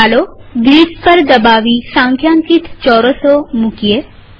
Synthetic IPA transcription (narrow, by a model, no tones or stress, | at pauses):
aloɡɾiːspɐɾd̪ɐbaːʋisãːŋkʰjãːŋkit̪t͡ʃɔːɾosomukije